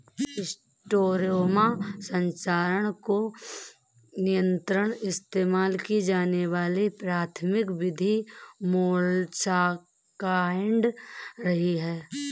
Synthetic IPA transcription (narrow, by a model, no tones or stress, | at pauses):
ɪs | ʈoːɾoːmasə̃ɲt͡ʃaːɾəɽ̃ko | nɪjə̃nt̪ɾəɽ̃ɪst̪eːmaːlkid͡ʒaːneʋaːlipɾaːt̪ʰmɪkʋɪd̪ʱimoːlt͡ʃa | kaːɳɖɾɐɦiɦɛː